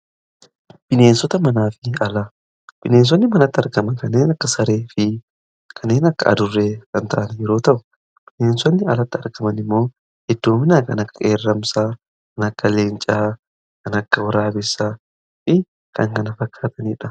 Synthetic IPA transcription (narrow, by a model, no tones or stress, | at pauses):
b̥ɪne̞ːnsɔt̪ɐmɐnaːfɪɐlɐ | b̥ɪneːns̬ɔnːɪmɐnɐt̪ːɪɐɾkɐmɐnkɐnːeːnɐkːɐsɐɾe̞ːfɪ | kʰɐnːeːnɐkːɐ̰ʔɐ̰d̪ʊrːe̞ːkɐnt̪ɐʔɐnjɛɾo̞ːt̪ɐʔʊ̥ | b̥ɪneːnsɔnːɪɐlɐt̪ːɪɐɾkɐmɐnɪmːo̞ː | hɪd̪ːoːmɪnaːkɐnɐkːɐʔeːrːɐmsaː | kɐnɐkːɐle̞ːnt͡ʃʼaː | kɐnɐkːɐwɔɾaːbɪsa | fɪ | kɐŋkɐnɐfɐkːaːt̪ɐniːᶑɐ